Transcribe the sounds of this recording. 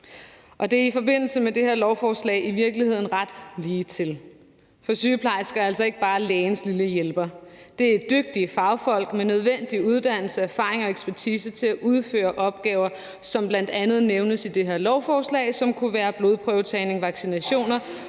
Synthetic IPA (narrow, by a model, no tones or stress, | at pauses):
ʔɒ̽d̥e̝æɐifɒ̽be̝n̰l̩səmed̥e̝heɐ̰lɒʊfɒːslɛ̰ɪʔiʋiɐɡ̥lihe̝ð̞̰ˠn̩ʁɑd̥liːt͡sʰe̝l | fɒ̽syːpʰlɑ̈ɪsɡ̥ɐæl̰sɒ̽e̝ɡ̥əb̥ɑ̈ːlɛːnsliləjelb̥ɐ | d̥e̝æedd̥øɡ̥̚d̥iəfɑ̈ʊfɒ̽l̰ɡ̥menøð̞ˠʋen̰d̥iuð̞ˠd̥æn̰l̩səæɐfɑ̈ːʁeŋɒ̽eɡ̥sb̥æɐt͡sʰiːsət͡sʰe̝æʔuð̞ˠfø̰ːɐʔɒ̽b̥̚ɡ̥ɛːʊɐ | sɒ̽mb̥lænd̥ænð̞̩ˠneʊnəsid̥e̝ɦeɐlɒʊfɒːslɛ̰ːɪsɒ̽mkʰuʋæːɐb̥lo̝ðˠpʰʁœʊt͡sʰɛne̝ŋʋɑ̈ɡ̥sinæɕo̝̰ːnɐ